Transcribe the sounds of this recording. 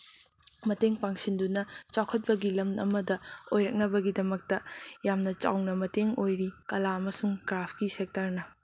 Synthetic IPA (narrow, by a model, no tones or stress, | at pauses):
mɐteŋpaŋsindunɐt͡ʃawkʰɐt̚pɐɡilɐmɐ̰mɐdɐojɾɐk̚nɐbɐɡidɐmɐk̚tɐjamnɐt͡ʃa̰wnɐmɐteŋojɾikɐlaɐmɐsuŋkɾapʰkisek̚tɐɾnɐ